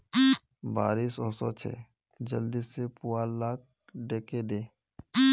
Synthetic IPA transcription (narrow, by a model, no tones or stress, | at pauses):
ba̰ːɾiːsɔːsɔt͡ʃʰɛ̰ː | d͡ʒəld̪isepuaːlaːk̚ | ɖeːked̪eː